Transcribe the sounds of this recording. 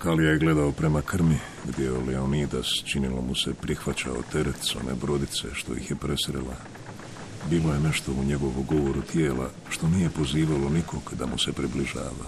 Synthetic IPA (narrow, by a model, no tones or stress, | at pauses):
kalijaɡle̞d̪aopɾe̞makr̩mi | ɡd̪ʲjeoleonid̪ast͡ʃinilo̞̰muse̞pɾixʋat͡ɕa̰ot̪e̞ɾe̞t̪sone̞̰bɾo̞d̪it̪se̞̰ʃt̪o̞̰jḭxje̞pɾʔe̞sɾḛla̰ | biːlo̞je̞ne̞ʃt̪o̞uɲe̞ɡo̞ʋuɡo̞ʋoɾut̪je̞ːlʔa̰ | ʃt̪o̞nije̞po̞ziːʋalonikʰo̞ɡd̪amuse̞pɾibliʒa̰ːʋa